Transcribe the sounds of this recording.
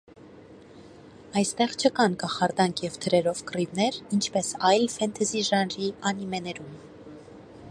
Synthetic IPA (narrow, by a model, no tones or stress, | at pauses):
ɑjst̪ɛʁt͡ʃʰəkɑnkɑχɑɾd̪ɑŋkʰjɛvt̪ʰəɾɛɾɔvkrivnɛɾint͡ʃʰpɛsɑjlfɛnt̪ʰɛziʒɑnɾiɑnimɛnɛɾum